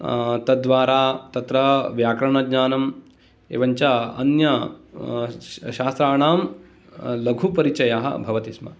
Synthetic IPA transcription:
t̪ɐd̪ʋaːɾaːt̪ɐt̪ɾɐʋjaːkɾɐɳɐɡɲaːnɐm | ḛːʋɐɲt͡ʃɐɐ̰njɐ | ʃaːst̪ɾaːɳaːm | lɐɡʱupɐɾit͡ʃɐjaːɦɐ̰bʱɐʋɐt̪ismɐ̰

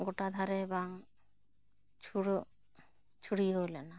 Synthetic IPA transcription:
ɡoʈad̪ʱaɾebaŋ | t͡ʃʰuɽ | t͡ʃʰuɽiolɛna

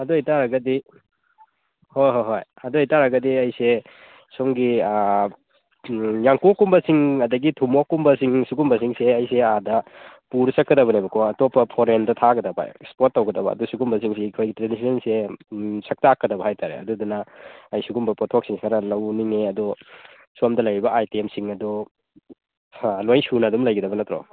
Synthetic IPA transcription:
ɐdoitaɾɐɡɐdi | hojɦojɦoj | ɐdohijtaɾɐɡɐdiɐjse | soŋɡi | jaŋkokːumbɐsiŋɐdɐɡitʰumokːumbɐsiŋsuɡumbɐsiŋseɐjseadɐpuɾsɐkːɐdɐbɐnebɐkʰoɐtopːɐpʰoɾendɐtʰaɡɐdɐbɐ̰spot̚ːɐwɡɐdɐbɐ̰ɐ̰dusuɡumbɐs̬iŋsikʰojɡitɾenisensesɐk̚taːkːɐdɐbɐɦajtʰaɾḛɐ̰dudunɐɐjsuɡumbɐpɔtʰok̚siŋskʰaɾɐlɐwniŋeɐdɔ | suɐmdɐlɐjɾibɐʔajtiemsiŋɐdɔ | lojsunɐdumlɐjɡɐdɐbɐnɐtɾɔ̰

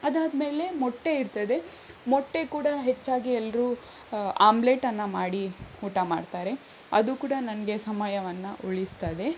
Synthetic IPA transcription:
ɐd̪aːd̪me̞ːle̞mɔʈːe̞iɾt̪ɐd̪e̞ | mɔʈːe̞kuːɽɐɦet͡ʃːaːɡiɛlːɐɾuː | aːmble̞ːʈɐnːɐmaːɽiuːʈamaːɽt̪aːɾe̞ | ɐ̰d̪ukuːɽɐnɐnɐɡe̞sɐmajɐʋɐnːɐʔoɭist̪ɐd̪e̞

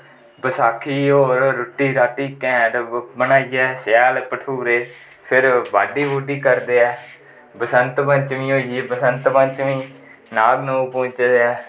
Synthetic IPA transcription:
bəsaːkʰiːoːɾːʊʈːiːɾaːʈ̪iːkɛ̃ːɖbənaːiɛːsɛːlpəʈʰuːɾeː | pʰɪɾba̰ːɖiːʋoːɖiːkəɾd̪eːɛː | bəsənt̪bənt͡ʃʋĩːɦoːiibəsənt̪bənt͡ʃʋĩː | naːɡnõːpõːɲt͡ʃd̪eːɛː

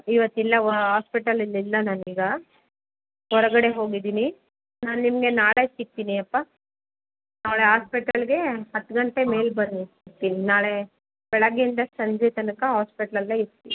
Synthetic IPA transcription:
iʋɐt̪ːilːɐɦaːspiʈɐlilːilːɐnaːniːɡɐ | ɦɔɾɐɡɐɽe̞ɦo̞ːɡid̪iːni | naːnnimɐɡe̞naːɭesik̚t̪iːniɐpːa | naːɭeɦaːspiʈɐlɡe̞ɦɐt̪ːɡɐɳʈe̞me̞ːlbɐnd̪iikt̪ːiːninaːɭe̞ | b̥ɛɭɐɡeind̪ɐsɐɲd͡ʒɛt̪ɐnɐkɐɦaːspiʈɐlɐlːeiɾt̪ːi

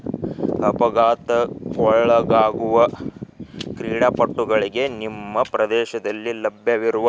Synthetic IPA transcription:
ɐpɐɡaːt̪ɐkɔɭɐɡaːɡuʋɐ | kɾiːɽapɐʈːuɡɐɭiɡe̞nimːɐpɾɐd̪ɛːʃɐd̪ɐlːilɐbjɐʋiɾuʋɐ

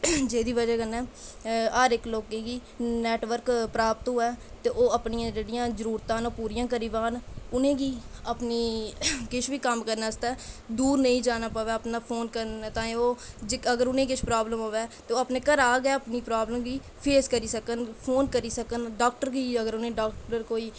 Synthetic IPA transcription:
d͡ʒeːd̪iːʋəd͡ʒaːɡənːɛː | aːɾɪkloːkẽːɡiː | nɛːʈʋəɾkpɾaːpət̪ɦoːɛː | t̪eːʔoːəpnijãːd͡ʒeːɽijãːzəɾuːɾt̪ãːnoːpuːɾɪjãːkəɾiːʋaːnʊnẽːɡiːəpniːkɪʃʰʋiːkəmkəɾnaːst̪ɛːd̪uːɾnəĩːd͡ʒaːnaːpaːʋɛːəpnaːpʰoːnkəɾt̪ãːioːd͡ʒəɡəɾʊnẽːkɪʃʰpɾaːbləmɦoːʋɛːt̪eːoːəpneːkəɾaːɡɛːəpniːpɾaːbləmɡiː | pʰeːskəɾiːsəkənpʰoːnkəɾiːsəkənɖaːk̚ʈəɾɡiːəɡəɾʊnẽːɖaːk̚ʈəɾkoːiː

